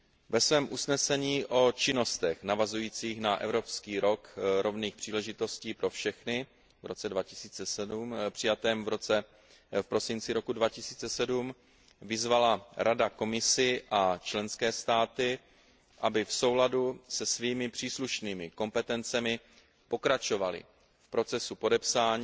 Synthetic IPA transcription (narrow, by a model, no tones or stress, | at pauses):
vɛsvɛːmʔusnɛsɛɲiːʔo̞t͡ʃɪno̞st̪ɛxnavazujiːt͡siːxnaʔɛ̰vɾo̞pskiːɾo̞kɾo̞vniːxpr̥iːlɛʒɪt̪o̞sciːpɾo̞fʃɛxnɪ | vɾo̞t͡sɛdvacɪsiːt͡sɛsɛdumpr̥ɪjat̪ɛːmvɾot͡sɛ | fpɾo̞sɪnt͡sɪɾo̞kudvacɪsiːt͡sɛsɛdum | vɪzvalaɾadako̞mɪsɪʔat͡ʃlɛnskɛːst̪aːt̪ɪ | ʔabɪfso̞wladusɛsviːmɪpr̝̥iːsluʃniːmɪko̞mpɛt̪ɛnt͡sɛmɪ | po̞kɾat͡ʃo̞valɪ̰ | fpɾo̞t͡sɛsupo̞dɛpsaːɲː